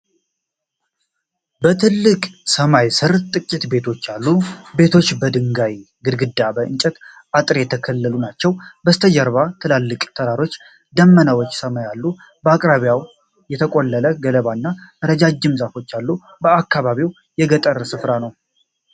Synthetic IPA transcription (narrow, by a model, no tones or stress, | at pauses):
bət̪ʰɨlːɨkʼsəmajsɨɾt̪ʼɨkʼːit̪be̞t̪ʰo̞t͡ʃːalːube̞t̪ʰo̞t͡ʃːbəd̪ɨŋɡaj | ɡɨd̪ɡɨd̪abəʔɨ̰nt͡ʃʼɛt̪ | ʔat̪ʼɾejɛt̪ʰəkʰəlːəlunat͡ʃːɛwbəst̪ʰəd͡ʒəɾβat̪ʰɨlalːɨkʼt̪ʰəd̪aɾo̞t͡ʃː | d̪əmːənawot͡ʃːsəmajalːu | bəakʼɾaβjaw | jɛt̪ʰəkʼolːələɡələβanːaʔəɾəd͡ʒad͡ʒːɨmzafo̞t͡ʃːalːu | bəakːaβaβiw | jɛɡət̪ʼəɾəsɨfɾanəw